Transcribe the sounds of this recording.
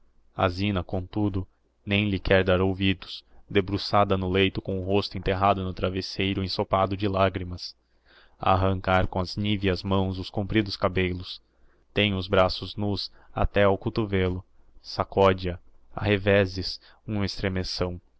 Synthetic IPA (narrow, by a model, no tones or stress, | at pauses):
a̰zĩnɐkõt̪ud̪ʊ | nẽj̃lɪkʰɛɾd̪aɾowvid̪ʊsd̪ebɾusad̪ɐnʊlejt̪ʊkõʊɦost̪ʊẽnt̪eɦad̪ʊnʊt̪ɾavesejɾʊẽsopad̪ʊd͡ʒɪlaɡɾimɐs | a̰ːɦɐ̃ŋkaɾkõɐzniviɐzmɐ̃w̃zʊskõmpɾid̪ʊskabelʊs | t̪ẽj̃ʊzbɾasʊznus | a̰t̪ɛʊkut̪uvelʊ | sakɔd͡ʒiɐ | a̰hevɛzɪs | ũmest̪ɾemesɐ̃w̃